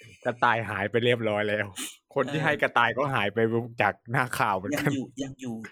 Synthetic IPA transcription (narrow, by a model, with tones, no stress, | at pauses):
ka˧t̪aː˧jɦaː˩˦jpa˧jɾi˥˩əp̚ɾɔː˦˥jlɛː˦˥˩wkʰo˧nt̪ʰiː˥˩ɦa˥˩jka˧t̪aː˧jkɔː˥˩ɦaː˩˦jpa˧jɾu˧˥k̚t͡ɕaː˨˩k̚naː˥˩kʰaː˨˩wmɯ˩˦nka˧˥˨nː˨